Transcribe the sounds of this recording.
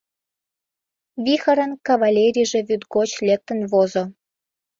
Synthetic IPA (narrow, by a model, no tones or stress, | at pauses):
βixəɾə̆nkɑβɑlʲeɾʲiʒĕβʲyt̪ɡot͡ɕlek̚t̪ə̆nβozo